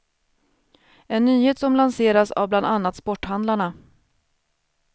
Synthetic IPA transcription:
ɛnːyːheːt̪sɔmlanseːɾasa̰vbland̪anːat̪spɔʈːhand̪laɳa

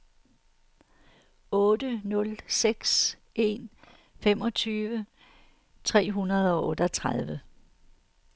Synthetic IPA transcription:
ɔ̽ːdənɔ̽lseɡ̥s | ʔe̝̰n | femɒ̽t͡sʰyːʋə | t͡sʰʁɛ̰ːɦunɐð̞̩ˠɒ̽ʔɔ̽ːd̥ɒt͡sʰʁaðˠʋə

